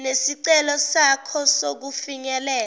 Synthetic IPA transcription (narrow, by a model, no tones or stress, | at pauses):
nesiǀɛlɔsakʰɔsok̬ufiɲɛlɛː